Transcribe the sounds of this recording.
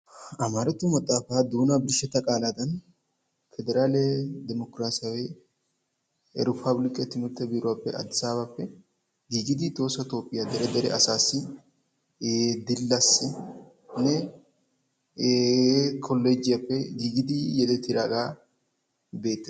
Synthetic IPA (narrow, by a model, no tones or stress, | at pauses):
ɐmaːɾɐt̪ːʊmɐt̪ʼːaːfaːd̪uːnɐbɪɾʃɛt̪ːɐkʼaːlaːd̪ɐn | fɛd̪ɛɾaːlɛd̪ɛmɔkɾaːsɪawe | ɾɪpʰɐblɪkʼːɛt̪ɪmɪɾt̪ːɛbɪɾʊwaːpːɛʔɐ̰d̪ɪsaːbapːɛ | ɡiːɡɪd̪ɪt̪o̞ːsɐt̪o̞ːpʼːɪjad̪ɛɾɛd̪ɛɾɛ̰ʔɐsaːsːɪ | d̪ɪlːasːɪ | nɛ | kʰɔlːed͡ʒɪjɐpːɛɡiːɡɪd̪ɪjɛd̪ɛt̪ːɪɾaːɡaː | be̞ːt̪ːɐ